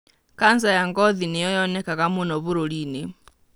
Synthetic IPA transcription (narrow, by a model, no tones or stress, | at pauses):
kanzajaŋɡɔðinɛjɔjɔnɛkakamunɔβuɾɔlini